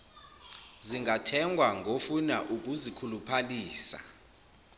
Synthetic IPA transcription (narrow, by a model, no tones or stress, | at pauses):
ziŋɡatʰɛŋɡʱwaŋɡʱofunaʔuk̬ʼuzikʰulupʰaliːsa̰